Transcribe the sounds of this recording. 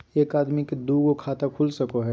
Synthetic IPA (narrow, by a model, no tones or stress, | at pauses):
eːkaːd̪miked̪uːɡokʰaːt̪akʰʊlsɐkoɦɛ